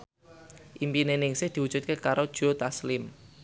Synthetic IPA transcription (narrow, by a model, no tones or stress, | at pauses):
ʔimpinenɪŋsɪhd̪̥i̤wud̥ʒ̥ut̪̚kekaɾod̥ʒ̥o̤t̪aslɪm